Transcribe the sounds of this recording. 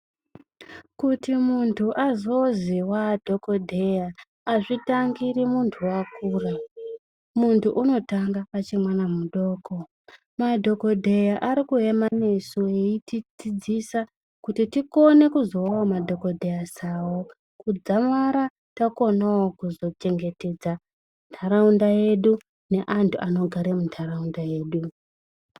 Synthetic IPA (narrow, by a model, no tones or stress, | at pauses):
kutimuntʰuʔazo̞ziwadʱo̞ko̞dʱejaː | ʐitaŋɡiɾimuntʰuwakuːra | muntʰuʔuno̞taŋɡaat͡ʃimwanamuɗo̞ːko̞ | madʱo̞ko̞dʱe̞jaʔaɾikue̞mane̞sueitid͡zid͡zisa | kutitiko̞ne̞kuzo̞wamadʱo̞ko̞dʱe̞jasawo | kud͡zamaɾa | tako̞nawokuzo̞t͡ʃe̞ŋɡe̞te̞d͡za | ntʰaɾaundaje̞ɗu | ne̞ʔantʰuʔano̞ɡʱaɾemuntʰaraundaje̞ːɗu